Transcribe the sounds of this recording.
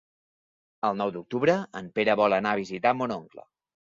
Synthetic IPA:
əlˠnɔwd̪uk̚t̪uβɾəəmpeɾəβɔlˠənaβ̞izit̪amonoŋklə̰

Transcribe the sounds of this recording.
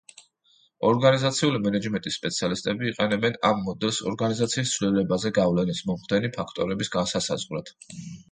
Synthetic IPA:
ɔɾɡanizat̪sʰiulimɛnɛd͡ʒmɛnt̪ʼisːpʼɛt̪sʰialist̪ʼɛbiːqʼɛnɛbɛnamːɔd̪ɛlˠsɔ̰ɾɡanizat̪sʰiːst̪sʰvlilɛbazɛɡavlɛnismɔmχd̪ɛnipʰakʰt̪ʼɔɾɛbisɡansasa̰zʁɾat̪ʰ

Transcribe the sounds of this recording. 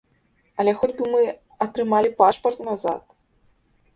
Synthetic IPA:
ɐlʲɛxɔd͡zʲbɨmɨ | ɐt̪ɾɨmalʲipaʂpɐrt̪naza̰t̪̚

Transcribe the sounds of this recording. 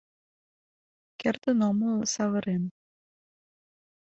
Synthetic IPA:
kert̪ə̆nomɤlsɑβɤ̆ɾen

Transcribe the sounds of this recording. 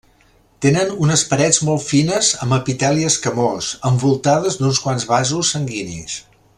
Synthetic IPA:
t̪enənunəspəɾɛd͡zmɔlˠt̪finəzəməpit̪ɛliəskəmosəmbulˠt̪aðəzd̪unskwanzβazusːəŋɡinḭs

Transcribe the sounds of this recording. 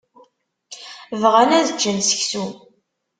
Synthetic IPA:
vʁænæðət͡ʃːənsə̥çsu

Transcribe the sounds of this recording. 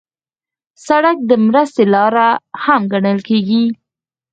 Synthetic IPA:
saɽak̚d̪əmɾəst̪elɑɾahamɡaɳəlkeɡi

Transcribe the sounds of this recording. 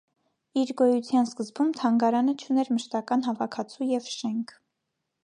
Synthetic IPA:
iɾɡɔjut͡sʰjɑnskəzbumt̪ʰɑŋɡɑɾɑnət͡ʃʰunɛɾməʃt̪ɑkɑnɦɑvɑkʰɑt͡sʰujɛvʃɛŋkʰ

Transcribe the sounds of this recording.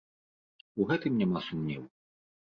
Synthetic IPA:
uɣɛt̪ɨmnʲɛmasumnʲḭw

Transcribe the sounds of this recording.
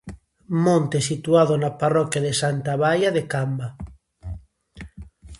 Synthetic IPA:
mõnt̪esit̪uaðonaparɔkjaðesant̪aβajaðekamba

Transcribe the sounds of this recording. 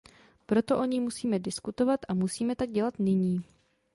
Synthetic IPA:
pɾo̞t̪o̞ʔo̞ɲiːmusiːmɛdɪskut̪o̞vat̪ʔamusiːmɛt̪aɡ̚ɟɛlat̪nɪɲiː

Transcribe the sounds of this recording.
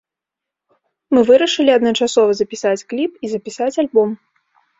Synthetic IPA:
mɨvɨɾɐʂɨlʲiɐd̪nɐt͡ʂasɔvɐzɐpʲisat͡sʲklʲipizɐpʲisat͡sʲalʲbɔm

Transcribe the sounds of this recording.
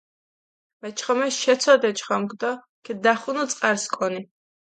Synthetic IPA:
mɛt͡ʃʰχɔmɛʃɛt̪sʰɔd̪ɛt͡ʃʰχɔmɡd̪ɔ | kʰɛd̪aχunɔt̪sʼqʼaɾskʰʼɔni

